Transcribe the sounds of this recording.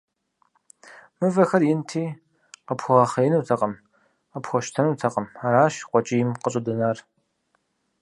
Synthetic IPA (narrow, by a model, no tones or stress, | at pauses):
mɨvɐxɐrjɪntʰiː | qəpʰxʷʁɐχɐjɪnuːtʰɐqʼɐm | qəpxʷɔʃtʰɐnutʰɐqʼəmaɾaːʃqʷɔt͡ʃʼijɪmqəɕʼɨdɨnaːr